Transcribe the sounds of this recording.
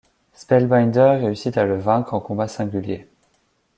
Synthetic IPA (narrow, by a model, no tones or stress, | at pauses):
spɛlbajnd̪ɛʁʁːeysit̪aləvɛ̃kχɑ̃kɔ̃basɛ̃ɡʲylje